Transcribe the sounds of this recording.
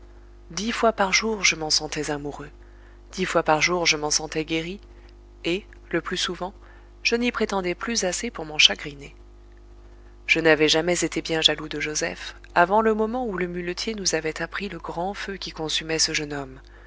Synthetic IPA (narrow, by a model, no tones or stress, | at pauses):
d̪ifwapaʁʒuʁʒəmɑ̃sɑ̃t̪ɛzamuʁø | d̪̥ifwapaʁʒuʁʒəmɑ̃sɑ̃t̪ɛɡʲeʁi | e | ləplysuvɑ̃ | ʒ̥ənipχet̪ɑ̃d̪ɛplyzasepuʁmɑ̃ʃaɡʁine | ʒ̥ənavɛʒamɛzet̪ebjɛ̃ʒalud̪əʒozɛ̰f | avɑ̃ləmɔmɑ̃uləmylət̪ʰjenuzavɛt̪apχiləɡʁɑ̃føkʲikɔ̃symɛsəʒənɔm